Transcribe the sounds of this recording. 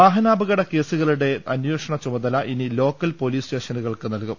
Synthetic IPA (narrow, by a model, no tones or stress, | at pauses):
aːɦɐnaːbɐɣɐɽɐke̞ːsuɣɐɭuɽe̞ɐnjeːʂɐɳɐt͡ɕumɐðɐlɐʔinilo̞ːkːɐlpo̞liːsʈe̞ːʂɐnuɣɐɭkɨnɐlkum